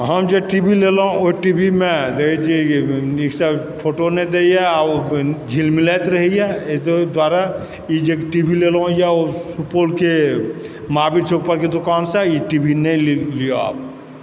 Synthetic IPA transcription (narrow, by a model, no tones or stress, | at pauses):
ɦəmd͡ʒoʈibʱileloõoiʈibʱimẽd̪eid͡ʒiiksa | pʰoːʈoned̪ejaad͡ʒʱilmɪlet̪ɾəɦijɛd̪waːɾa | jid͡ʒeʈibʱilelõjaosupoːlke | maːbid̪seupəɾked̪ʊkaːnsajiʈibʱinəĩlijoa̰ːp̚